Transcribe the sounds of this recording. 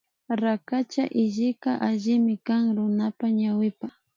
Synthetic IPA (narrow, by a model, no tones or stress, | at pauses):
ɾakat͡ʃaʔɪʒɪkaʔaʒɪmɪkaŋɾʊnapaɲawɪpa